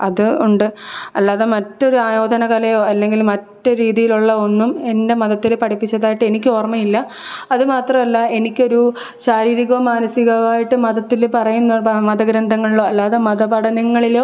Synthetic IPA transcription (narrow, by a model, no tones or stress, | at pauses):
ɐðɨuɳɖɨɐlːaːðemɐtːo̞ɾuaːjo̞ːd̪ʱɐnɐkɐlɐjo̞ːɐlːe̞ŋɡilmɐtːɨɾiːðijiluɭːɐo̞nːume̞nde̞mɐðɐt̪ːilpɐʈʰipːit͡ɕːɐðaːjiʈːɨe̞nik̬ʲːɨo̞ːrmɐjilːɐ | ɐðɨmaːt̪rɐmɐlːɐe̞nikʲːo̞ɾu | saːɾiːɾiɣɐɐmaːnɐsiɣɐʋaːjiʈːɨmɐðɐt̪ːilpɐrɐjunːɐmɐd̪ɐɡɾɐnd̪ʱɐŋːɐɭiɭo̞ːɐlːaːðemɐðɐbɐɽɐnɐŋːɐɭiloː